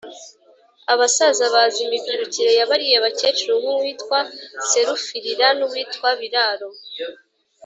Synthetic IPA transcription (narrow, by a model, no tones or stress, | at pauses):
aβasazaβazimiɡiɾuciɾe̞jaβaɾijeβace̞t͡ʃuɾuβuwiːtkwase̞ɾufiɾiɾanuβwiːtkwaβiɾaːɾo̞